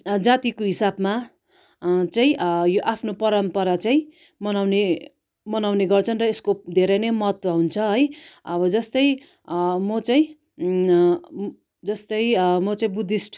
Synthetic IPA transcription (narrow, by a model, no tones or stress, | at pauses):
d͡zat̪ikoɦisabma | t͡saĩjoʔapʰnopʌɾʌmpʌɾat͡saĩ | mʌnawne | mʌnawneɡʌrt͡sʰʌnrʌeskod̪ʱeɾʌjnʌjmʌɦʌt̪wʌɦunt͡sʰʌɦʌjʌbʌd͡zʌst̪ʌj | mʌt͡saĩ | d͡zʌst̪ʌjmʌt͡saĩbud̪isʈ